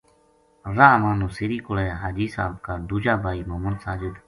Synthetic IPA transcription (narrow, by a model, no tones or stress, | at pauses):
ɾaːmaːnũːsiɾiːkʊleːɦaːd͡ʒiːsa̰ːbkaːd̪uːd͡ʒaːbʱaːiːmoːmənsaːd͡ʒɪd̪